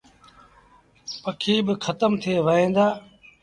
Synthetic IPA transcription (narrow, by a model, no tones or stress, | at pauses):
pəkʰiːbɪkʰət̪əmt̪ʰeːʋəɦẽːnd̪aː